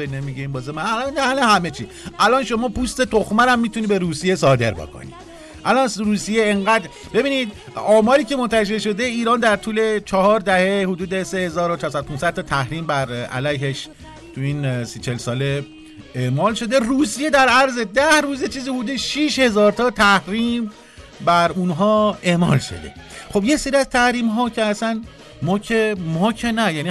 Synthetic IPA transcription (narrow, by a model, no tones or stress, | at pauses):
enemiɡeimbɒːzemænælɒnd̪æhælehæmet͡ʃʰi | ʔælɒːnʃo̞mɒːpʰust̪e̞t̪ʰoxmæɾæmːiːt̪ʰuniːbe̞ɾuːsije̞sɒːd̪e̞̰ɾbo̰kʰo̰nḭ | ʔælɒːnruːsijeeŋɢæːd̪ɾ | be̞biːniːd̪̚ | ɒːmɒːɾiːce̞mont̪ʰæʃ̬e̞ɾʃo̞d̪eiːɾɒːnd̪æɾt̪ʰuːle̞t͡ʃʰɒhɒːɾd̪æhe̞hud̪uːd̪e̞sehe̞zɒːɾot͡ʃʰɛɾsæd̪opʰunsæd̪̚t̪ʰɒːt̪ʰæhɾiːmbæɾæ̰læjɦeʃ | t̪ʰuiːnsit͡ʃʰelsɒːle̞ | e̞ʔmɒːlʃo̞d̪e̞ruːsije̞d̪æɾæɾze̞d̪æhɾuːzjet͡ʃʰiːzihod̪uːd̪eʃiʃhe̞zɒːɾt̪ʰɒːt̪ʰæhɾiːm | bæɾunɦɒːe̞ʔmɒ̰ːlʃo̞̰d̪e̞̰χo̞bjese̞ɾiæzt̪ʰæhɾiːmɦɒːcʰeæsæn | mɒcʰemɒːcʰenæjæːni